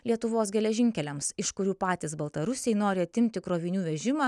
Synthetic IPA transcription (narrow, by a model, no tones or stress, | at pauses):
lʲiɛt̪ʊʋoːsɡʲɛlʲɛʒʲɪŋʲkʲɛlʲɛmsɪʃkʊɾʲuːpɑːt̪ʲiːsbɐlˠt̪ɐɾʊsʲɛɪnoːɾʲɪɐt̪ʲɪmʲt̪ʲɪkɾoːʋʲɪnʲuːʋʲɛʒʲɪmɑː